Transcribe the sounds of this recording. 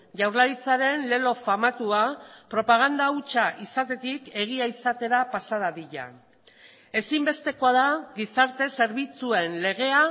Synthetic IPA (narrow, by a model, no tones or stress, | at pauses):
ʝawɾlaɾit͡saɾe̞nle̞lo̞famat̪uapɾo̞paɣ̞and̪aut͡ʃaʔisat̪e̞t̪ike̞ɣ̞iaisat̪e̞ɾapasaðaðiʎa̰ | e̞simbe̞st̪e̞ko̞aðaɣisaɾt̪e̞se̞ɾβ̞it͡sue̞nle̞ɣe̞a